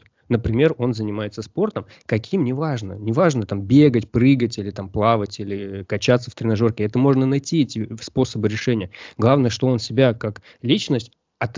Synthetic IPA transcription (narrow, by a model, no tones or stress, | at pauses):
nəpɾʲɪmʲe̞ro̞nzənʲɪmajɪt̪səspo̞rt̪əm | kɐkʲʰimnʲɪvaʐnənʲɪvaʐnət̪ambʲeɡətʲpɾɨɡətʲilʲɪt̪amplˠavətʲilʲɪkɐt͡ɕat̪səft̪ɾʲɪnɐʐo̞rkʲɪɛt̪əmo̞ʐnənɐjtʲiɛtʲɪspo̞səbɨɾʲɪʂɛnʲɪjəɡlˠavnəjəʂt̪o̞o̞nsʲɪbʲakak | lʲit͡ɕnəsʲtʲ | ɐt̪